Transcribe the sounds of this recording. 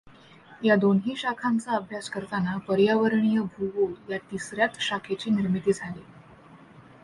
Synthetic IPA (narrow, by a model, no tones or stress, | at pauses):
jad̪onɦiːɕakʰant͡saəbʱjaskəɾt̪anapəɾjaʋəɾɳijəbʱuʋojat̪isɾjat̪ɕakʰet͡ɕiːniɾmit̪iːd͡zʱale